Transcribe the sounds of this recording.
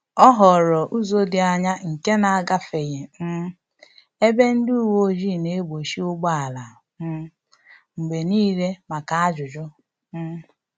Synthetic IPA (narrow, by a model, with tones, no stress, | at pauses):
ɔ˦ɦɔ˨ɾɔ˨ʔu˦zo˦dɪ˨a˨ɲa˦ŋ̩˨ke˦na˨a˦˨ɡa˦fe˨je˨m̩˦ | e˦be˦n̩˦du˦u˦˨wo˦ʒi˦˨ne˨˦e˦bo˨ʃi˦ʊ˦ɡ͡ba˦a˨la˨ | m̩˦ | ŋ͡m̩˨ɡ͡be˨niː˦ɾe˦ma˨ka˨a˦d͡ʒʊ˨d͡ʒɔ˦ | m̩˦